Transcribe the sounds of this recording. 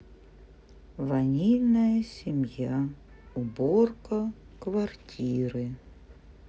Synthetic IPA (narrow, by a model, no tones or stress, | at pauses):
vɐnʲijnəjəsʲɪmʲja | ʊborkə | kvɐrtʲʰiɾɨ